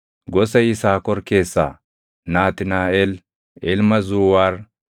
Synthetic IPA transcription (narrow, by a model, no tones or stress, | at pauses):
ɡɔsɐjɪsaːkɔɾke̞ːsːa̰ː | naːt̪ɪnaːel | ɛlmɐzuːwaːɾ